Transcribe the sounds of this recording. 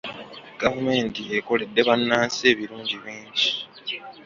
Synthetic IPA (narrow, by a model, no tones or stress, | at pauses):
ɡ̥avume̞ːntieko̞le̞dːe̞βanːaːnsie̞ːβiluːɲɟiβiːɲɟi